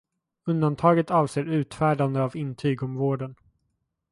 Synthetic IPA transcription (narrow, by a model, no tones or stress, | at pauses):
ɵnd̪ant̪ʰɑːɡət̪ɑːvseːɾʉ̟ːt̪fæːɖand̪əavɪnt̪ʰyːɡɔmvoːɖən